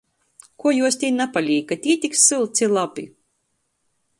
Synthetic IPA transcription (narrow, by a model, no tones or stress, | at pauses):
kuɔjuɔst̪ʲiːnapalʲiːkːat̪ʲiːt̪ʲiksːɨlˠt̪sʲilˠapḭ